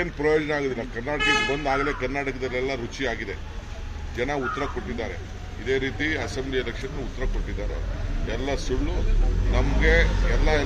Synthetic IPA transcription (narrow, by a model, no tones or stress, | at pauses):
eːnpɾɐjoːd͡ʒɐnɐaːɡod̪ilːɐkɐɾnaːʈɐkɐbɐnd̪aːɡɐle̞ːkɐɾnaːʈɐkɐd̪ɐlːɛlːɐɾut͡ʃiaːɡid̪e̞ | d͡ʒɛnɐut̪ːɐɾɐkoʈːid̪ːaːɾe̞̰ | id̪e̞ːɾiːt̪iɐsemblijɐɾɐkʂɐt̪ːɐut̪ːɐɾɐkoʈːid̪ːaːɾḛɛlːɐsuɭːunɐmɐɡe̞ɛlːɐ